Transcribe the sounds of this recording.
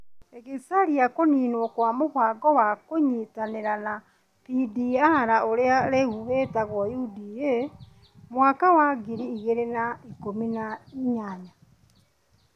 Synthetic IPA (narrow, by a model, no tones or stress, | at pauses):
eɣesaɾiakoniːnwɔkwamoβaɡɔwakoɲitaneɾana | pidiaɾaʔoɾeaɾeɣuhetaɣwɔjudie | mwakawaɡiɾiːɣeɾenaikominaiɲaɲa